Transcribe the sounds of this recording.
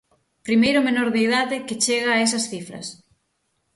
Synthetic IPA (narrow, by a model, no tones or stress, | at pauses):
pɾimejɾʊmenoɾðeiðaðɪkɪt͡ʃeɣaːesɐsθifɾɐ̰s